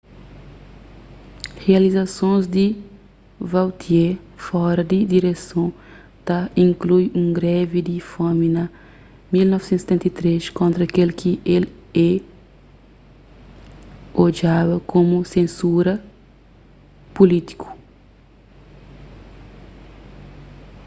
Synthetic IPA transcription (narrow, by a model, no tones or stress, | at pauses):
heɐlizɐsõzd̪i | vawt̪ʰiefɔɾɐd̪id̪iɾesõ | t̪ɐĩŋklujũŋɡɾɛvid̪ifominɐ | milnɔvsẽnt̪st̪ẽnt̪ɐt̪ɾeʃkõnt̪ɾɐːkelkʰiʔelɛ | od͡ʒabɐkʰõmusẽnsuɾɐ | pulit̪i̥kʰu̥